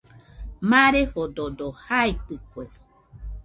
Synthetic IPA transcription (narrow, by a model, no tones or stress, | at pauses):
mãɾehododohaipɯkʷe